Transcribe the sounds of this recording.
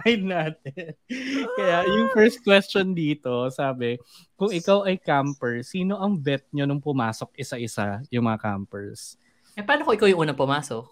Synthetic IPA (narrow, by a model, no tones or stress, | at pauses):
majd̪naːt̪ɛ | kɐjajʊŋfɛɹst̪̚kwɛst͡ʃond̪iːt̪o̞saːbɛkʊŋɪkawʔɐjkampɛɹsiːno̞ʔɐŋbɛt̪̚ɲonʊŋpʊmaːso̞k̚ʔɪsaʔɪsajʊŋmɐŋɐka̰mpɛɹs | ɛpɐaːnokoʔɪkawjʊŋʔuːnɐŋpʊmaːsok̚